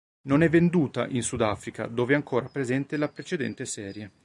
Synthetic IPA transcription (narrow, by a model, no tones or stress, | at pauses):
nonɛvːend̪uːt̪a̰ʔinsud̪afɾika̰d̪oːveaŋkoːɾapɾezɛnt̪elapɾet͡ʃed̪ɛ̰nt̪esɛːɾje